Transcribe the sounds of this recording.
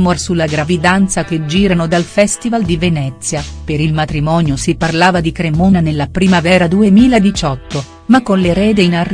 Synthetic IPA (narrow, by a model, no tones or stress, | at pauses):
morsulːaɡɾavid̪ant̪sak̟ed͡ʒiːɾanod̪alfɛst̪ivald̪ivenɛtt̪sːjapeɾilmat̪ɾimɔːnjosiparlaːvad̪ikɾemoːnanelːapɾiːmavɛːɾad̪uemiːlad̪it͡ʃɔt̪ːo | makːonleɾɛːd̪einar